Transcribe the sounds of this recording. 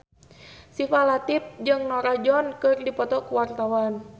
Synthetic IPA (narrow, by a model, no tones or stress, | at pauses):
sifalat̪ip̚d͡ʒɨŋnɔɾad͡ʒɔnkɨrdipɔt̪ɔkuwart̪awan